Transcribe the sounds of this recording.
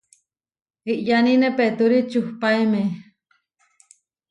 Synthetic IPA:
iʔjaninepet̪uɾit͡ʃuhpaeme

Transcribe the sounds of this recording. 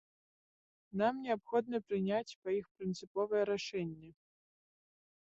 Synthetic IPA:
namnʲɛapxɔd̪̚nɨpɾɨnʲat͡sʲpɐixpɾɨnt̪sɨpɔvɐjɛɾaʂɛnʲːɛ

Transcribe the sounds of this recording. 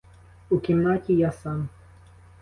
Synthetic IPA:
ukɪmnacʲijasan

